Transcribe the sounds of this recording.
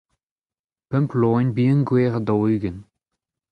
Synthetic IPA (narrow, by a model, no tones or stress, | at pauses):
pœmploːnbiːənɡweːʁad̪ɔyɡən